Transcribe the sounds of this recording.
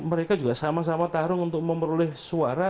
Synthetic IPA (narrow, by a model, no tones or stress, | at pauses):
məɾekad͡ʒuɡasamas̬amat̪aɾʊŋunt̪ʊk̚məməɾolɛhsuaɾa